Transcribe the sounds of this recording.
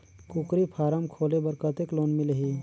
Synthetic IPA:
kukɾipʰaːɾəmkʰoːlebəɾkət̪ekloːnmɪlɦi

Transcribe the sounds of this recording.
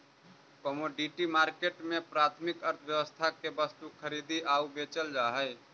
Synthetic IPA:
komoɖiʈimaːɾkeʈmẽpɾaːt̪ʰmɪkəɾt̪ʰʋjəwəst̪ʰakebəst̪ukʰəɾid̪iʔaːubet͡ʃəld͡ʒaɦəɪ

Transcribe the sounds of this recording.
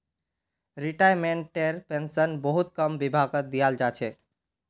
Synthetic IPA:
ɾiʈajmeɳʈːeɾpensənbəɦut̪̚kəmbibʱaɡəd̪ijald͡ʒat͡ʃʰɛ

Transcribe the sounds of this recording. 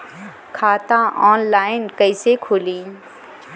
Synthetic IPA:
kʰaːt̪aʔɔːnlaːɪnkəɪsekʰoːliː

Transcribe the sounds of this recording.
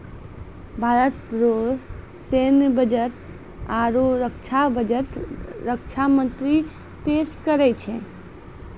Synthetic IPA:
bʱaːɾət̪ɾoː | seːnbəd͡ʒəʈ̪ | aːɾoɾəkt͡ʃʰabʱəd͡ʒəʈ̪ɾəkt͡ʃʰamə̃nt̪ɾi | peːʃkəɾɛt͡ʃʰe

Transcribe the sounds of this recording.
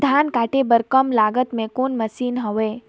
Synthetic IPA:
d̪ʱaːnkaːʈebəɾkəmlaːɡət̪mẽkoːnməsiːnɦɔʋe

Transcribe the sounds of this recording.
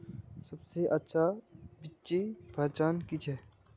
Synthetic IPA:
sɐbseʔɐtːʃʰabɪtːt͡ʃːibʱɐt͡ʃaːnkit͡ʃʰɛ

